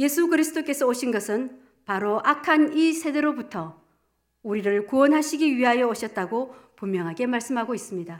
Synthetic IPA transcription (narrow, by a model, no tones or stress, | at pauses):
je̞sʰukɯɾisʰɯt͈ok͈e̞sʰʌoɕʰinɡʌsʰɯn | paɾoʔakʰanisʰe̞deɾobutʰʌ | uɾiɾɯɭkuwʌnɦaɕʰiɡiɥiɦajʌʌɕʰʌt̚t͈aɡopummjʌŋɦaɡe̞maɭs͈ɯmɦaɡois͈ɯmɲida